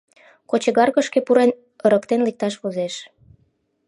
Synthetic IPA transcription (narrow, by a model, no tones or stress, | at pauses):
kot͡ɕeɣɑrkə̆ʃkepuɾen | əɾəkt̪enlik̚t̪ɑʃβozeʃ